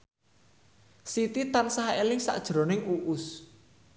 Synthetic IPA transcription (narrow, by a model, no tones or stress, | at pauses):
sit̪it̪ansaɦelɪŋsa̰ʔd̥ʒ̥ɾo̤nɪŋuʔʊs